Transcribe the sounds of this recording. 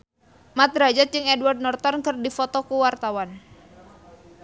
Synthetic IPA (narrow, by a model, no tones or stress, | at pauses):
mat̪ɾad͡ʒat̪̚d͡ʒɨŋɛdward̚nɔrt̪ɔnkɨrdifɔt̪ɔkuwart̪awan